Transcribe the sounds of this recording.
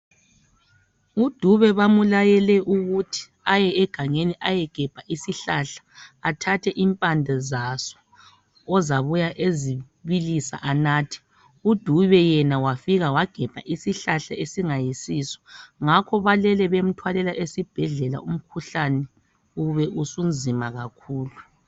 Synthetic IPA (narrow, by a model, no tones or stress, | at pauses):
ud̥ʱuβɛβamulajɛlɛʔuɣutʰi̥ | ajɛɛɡ̥ʱaŋeniʔajɛɡ̥ʱɛb̥ʱaʔisiɬaɬḁːtʰatʰɛʔimpʼandʱɛzasɔ̥ː | zaβujaʔezi | βilisa̰ʔanaːtʰi̥ | ud̥ʱuβɛjɛnawafiɣawaɡ̥ʱɛb̥ʱa̰ʔisiɬaɬaesiŋajisisɔ̥ŋakʰɔβalɛlɛβem̩tʰwalɛlaʔesib̥ʱɛɮɛla̰um̩kʰuɬanɛ | uβɛʔusumd͡zʱimaɣakʰuːlu